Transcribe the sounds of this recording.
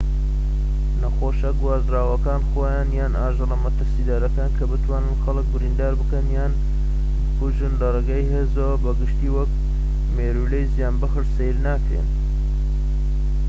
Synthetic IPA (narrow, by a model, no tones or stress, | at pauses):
nɐxoːʃɐɡuwaːzraːwɐkaːnxoːjaːnjaːnʔaːʒɨrɐmɐt̪ɨɾsid̪aːɾɐkaːnkʰɐbɨt̪ʰwaːnɨnxɐlɨk̚bɨɾind̪aːɾbɨkɐnjaːn | bɨkuʒɨnlɐrˤeɡaːjɦeːzɐwɐbɐɡɨʃt̪iːwɐk̚ | meːɾulejzijaːnbɐxɨɾsejlnaːkɾḛːn